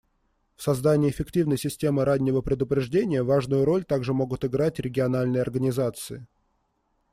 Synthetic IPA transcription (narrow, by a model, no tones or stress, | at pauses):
fsɐzd̪anʲɪːɪfʲɪktʲivnəjsʲɪsʲtʲe̞mɨɾanʲːɪvəpɾʲɪd̪ʊpɾʲɪʐdʲenʲɪjəvaʐnʊjʊɾo̞lʲt̪aɡʐɨmo̞ɡʊt̪ɪɡɾatʲɾʲɪɡʲɪɐnalʲnɨjɐrɡənʲɪzat̪sɨɪ